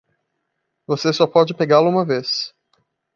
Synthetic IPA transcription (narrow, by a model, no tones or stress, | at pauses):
vosesɔpɔd͡ʒɪpeɡalʊũmɐves